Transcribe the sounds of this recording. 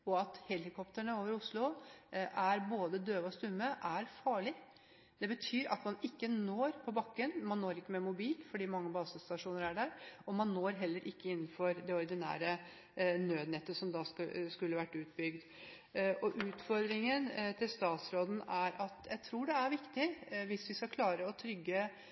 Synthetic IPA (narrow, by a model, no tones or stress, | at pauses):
ɔɑt̪hɛlːɪkʰɔpt̪əɳəoːʋəɾʊslʊʔæɾboːd̪əd̪øːʋɔst̪ʉmːəʔæɾfɑːɭɪ | d̪̥ɛbət̪ʰyːɾɑ̰t̪mɑnɪkːənoːɾpʰɔbɑkːənmɑnnoːɾɪkːəmɛmʊbiːlfɔɖiːmɑŋːəbɑːsəst̪ɑʂuːnəɾæɖæɾɔmɑnːoːɾɦɛlːəɾʔɪkːəɪnːənfɔɾd̪ɛɔɾd̪ɪnæ̰ːɾə | nøːd̪nɛt̪ːəsɔmd̪ɑskʉlːəʋæʈːʉːt̪̚bʏɡd̪ | ʔɔʔʉːt̪fɔɾd̪ɾɪŋənt̪ʰɪlst̪ɑːt̪sɾoːd̪n̩æɾʔɑt̪jæɪt̪ʰɾuːɖɛæɾʋɪkt̪ɪʋɪsʋɪskɑkʰlɑːɾəɔt̪ʰɾʏɡːə